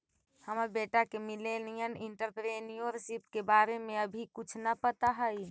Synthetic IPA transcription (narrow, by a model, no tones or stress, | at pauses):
həməɾbeːʈakemɪlenijənɪ̃ɳʈəɾpɾenijoɾsipkebaːɾemẽəbʱikʊt͡ʃʰnapət̪aɦəi